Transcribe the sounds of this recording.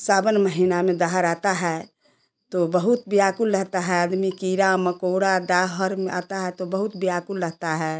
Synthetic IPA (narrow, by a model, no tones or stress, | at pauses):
sabənməɦinamẽd̪aɦəɾat̪aɦɛ | t̪obəɦut̪̚bijakulɾəɦt̪aɦɛəd̪mikiɾaməkoɽad̪aɦəɾmeʔa̰t̪aɦɛt̪obəɦut̪biakulːəɦt̪aɦɛ